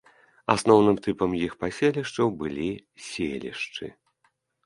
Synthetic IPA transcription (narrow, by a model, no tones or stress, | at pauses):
asnɔwnɨmt̪ɨpɐmjixpasʲelʲiʂt͡ʂɐwbɨlʲisʲḛlʲḭʂt͡ʂɨ̰